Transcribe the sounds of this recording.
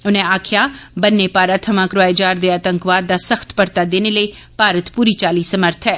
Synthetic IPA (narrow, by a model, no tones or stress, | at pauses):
ʊnẽaːkʰjabənːepaːɾat̪ʰɐmãkɾʊʋaːed͡ʒaːɾd̪eaːt̪ə̃ŋkʋaːd̪ːasəxt̪pəɾt̪ad̪eːneləi | paːɾət̪puːɾit͡ʃaːliːsəməɾt̪ʰɛː